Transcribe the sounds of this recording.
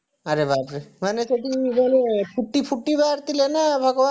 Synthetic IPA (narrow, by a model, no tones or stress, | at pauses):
aɾebʱapɾemanet͡ʃoɖimanepʰuʈːipʰuʈːibaɾt̪ilenabʱɔɡoba